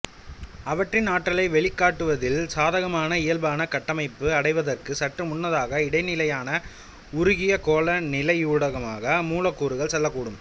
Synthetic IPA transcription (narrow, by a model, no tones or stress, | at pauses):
ɐʋɐʈrɪnaːʈːɐɭɐɪʋɛɭɪkːaːʈːɯʋɐðɪlsaːðɐɣɐmaːnɐɪjɐlbaːnɐkɐʈːɐmɐɪpːɯɐɽɐɪʋɐðɐrkɯsɐʈrɯmʊnːɐðaːɣɐɪɽɐɪnɪlɐjaːnɐ | ʊɾʊɣɪjɐkoːlɐnɪlɐɪjuːɽɐɣɐmaːɣɐmuːlɐkːuːɾɯɣɐɭsɛlːɐkːuːɽɯm